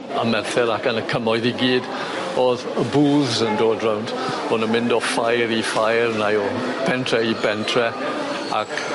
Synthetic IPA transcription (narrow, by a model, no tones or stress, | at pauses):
əmɛrθɛɾakənəkʰəmɔɨðiɡiːd | oːðəbuːðzəndoːdrawnd | hɔnəmɪ̃ndɔfajɾifajrnajɔpʰɛntʰrɛibɛntʰrɛ | a̰k